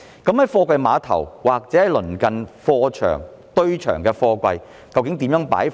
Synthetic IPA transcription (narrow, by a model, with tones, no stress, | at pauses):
kɐ˨˥mhɐ˨˥jfɔː˧kʷɐ˧jmaː˨˧˥t̪ʰɐ̰˨˩wwaː˨˩k̚t͡sɛː˨˦˥ɐ˨˩lɵ˨˩nkɐ˨nfɔː˧t͡ʃʰœ̰ː˨˩ŋ | t̪ɵ˧ɥt͡ʃʰœ̰ː˨˩ŋkɛː˧fɔː˧kʷɐ˧j | kɐ˧wkɪ˨˥ŋt̪iː˨˥mjœː˨˥ŋpa̰ː˨˥j